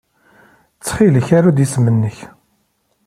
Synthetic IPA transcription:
t͡sːχiləçaɾad̪jismənːəç

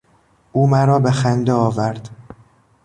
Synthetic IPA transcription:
ʔuːmæɾɒːbexænd̪eɒːvæɾd̪̥

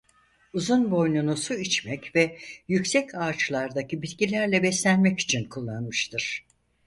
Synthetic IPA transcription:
uzunbo̞jnˠunusuit͡ʃmɛcvɛjycsɛcʰaːt͡ʃlˠaɾd̪acibit̪cilʲæɾlʲɛbɛslʲænmɛci̥t͡ʃʰinkʰulˠːanmɯʃt̪ʰɯɾ̥

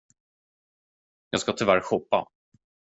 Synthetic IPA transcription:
jɑːɡskat̪ʰɪlvæɾɧɔpːa̰

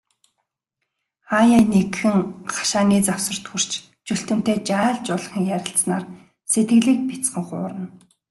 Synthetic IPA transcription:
ajaːnekxɘ̆ŋχḁʃaːniːt͡sawsə̆r̥t̪xur̥t͡ɕ | t͡ɕɵɬt̪ɘ̆m̥t̪eːt͡ɕaːɮt͡ɕʊɮχĭŋjæɾʲɪ̆ɬsnaːr | set̪ɡɘ̆ɮiːk̚pit͡sχə̆ŋχʊ̰ːɾə̆n

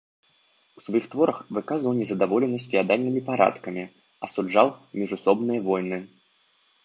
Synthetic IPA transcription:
u̥svajixt̪vɔɾɐxvɨkazvɐwnʲɛzɐd̪avɔlʲɛnɐsʲtʲfʲiad̪alʲnɨmʲipaɾa̰t̪kɐmʲi | ɐsud͡ʐawmʲiʐusɔbnɨjɐvɔjnɨ

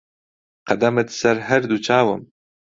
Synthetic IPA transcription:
qɐd̪ɐmɨt̪sɐɾɦɐɾd̪ut͡ʃʰaːwɨm

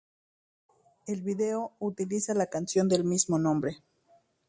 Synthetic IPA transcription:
e̞lβiðe̞out̪ilisalakansjo̞nd̪e̞lmizmo̞nõ̞mbɾe̞

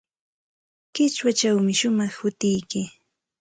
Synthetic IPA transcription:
kɪt͡ʃwat͡ʃawmɪʃʊmɑχhʊt̪ɪjkɪ

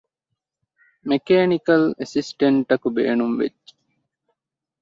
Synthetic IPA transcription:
mekeːnikɐlesisʈeɳʈɐkubḛːnumʋḛd͡ʒːe̥

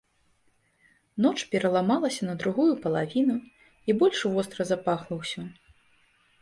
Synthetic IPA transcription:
nɔt͡ʂpʲɛɾɐlˠamalˠɐsʲɐnɐd̪ɾuɣujupɐlˠavʲinu | ibɔlʲʂvɔst̪ɾɐzapaxlˠɐwsʲɐ

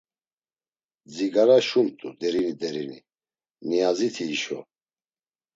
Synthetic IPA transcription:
d͡ziɡaɾaʃumt̪ʼud̪ɛɾinid̪ɛɾinḭ | niazit̪ʰiːʃɔ̰

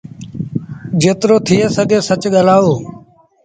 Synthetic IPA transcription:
d͡ʒeːt̪ɾoːt̪ʰɪjeːsəɡeːsət͡ʃɠəlaːoː

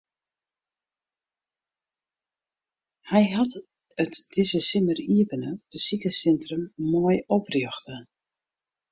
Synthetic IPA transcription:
hɛjɦat | ətd̥ɪzəsɪməriəbənəb̥əsikəsɛntrəmːoːjɔprjøxtə

